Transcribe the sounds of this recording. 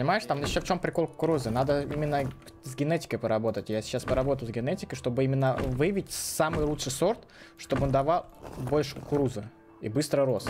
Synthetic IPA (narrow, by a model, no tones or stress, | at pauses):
pənʲɪmajɪʂt̪amɪɕːoft͡ɕo̞mpɾʲɪko̞lˠkʊɾuzɨnad̪əḭmʲɪnːə | zʲɡʲɪnetʲɪ̥kəjpəɾɐbo̞t̪ətʲjasʲɪ̥t͡ɕaspəɾɐbo̞t̪əjzʲɡʲɪnetʲɪ̥kəʂt̪o̞bɨimʲɪnːəvɨvʲɪtʲsamɨjlˠutʂɨjso̞rt̪ | ʂt̪o̞bɨond̪ɐvalˠbo̞lʲʂɨʊkʊɾuzɨ | ḭbɨst̪ɾəɾo̞st̪